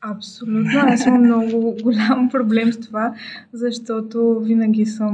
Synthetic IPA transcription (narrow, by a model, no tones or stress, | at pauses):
ɐpsolʲut̪noasimɐmnɔɡʊɡʊlʲampɾoblɛmst̪ovazɐʃt̪ɔt̪ovinɐɡʲisəm